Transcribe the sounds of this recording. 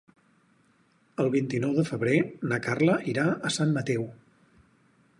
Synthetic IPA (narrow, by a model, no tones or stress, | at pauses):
əlˠβint̪inɔwðəfəβɾenəkarləʔiɾaəsamːət̪ɛw